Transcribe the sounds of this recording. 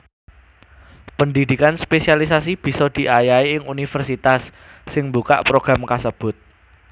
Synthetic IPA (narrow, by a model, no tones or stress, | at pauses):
pəndid̪̥i̤kanspesialisas̬ib̥i̤sɔd̪̥i̤ʔajaiɪŋunifərsit̪asː | ɪŋmbuka̰ʔpɾoɡ̥ɾamkasəb̥ʊ̤t̪̚